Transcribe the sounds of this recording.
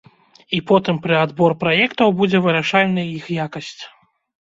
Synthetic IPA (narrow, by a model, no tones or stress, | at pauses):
ipɔt̪ɨmpɾɨad̪bɔrpɾajɛkt̪ɐwbud͡zʲɛvɨɾaʂalʲnɨjɐjixjakɐsʲt͡sʲ